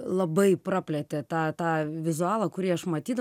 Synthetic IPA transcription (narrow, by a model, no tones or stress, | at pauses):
lˠɐbɐɪprɑpʲlʲɛt̪ʲet̪ɑːt̪ɑːʋʲɪzʊɑːlˠɐkʊɾʲiːɐʃmɐt̪ʲiːd̪ɐ